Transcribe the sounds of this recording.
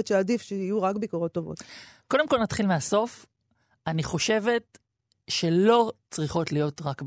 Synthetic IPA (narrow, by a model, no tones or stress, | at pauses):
tt͡ʃeadifʃeijuʁakbikoʁo̞tːovo̞̰tko̞demko̞lnat̪χilmeaso̞f | aniχo̞ʃe̞ve̞t̚ | ʃe̞lo̞t͡sʁiχo̞tlijo̞tʁakb